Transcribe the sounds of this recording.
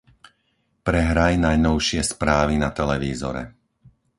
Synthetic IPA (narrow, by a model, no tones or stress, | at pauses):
pɾɛɦɾajnajnɔʊʃɪɛspɾaːʋinat̪ɛlɛʋiːzɔ̰ɾɛ̰